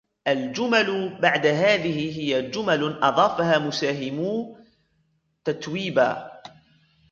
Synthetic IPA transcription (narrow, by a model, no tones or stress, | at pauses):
ʔald͡ʒʊmalbaʕd̪aɦaːðɪhɪɦɪjad͡ʒʊmalʔɑðˤɑːfahaːmʊsaːɦɪmuː | t̪at̪wiːba̰ː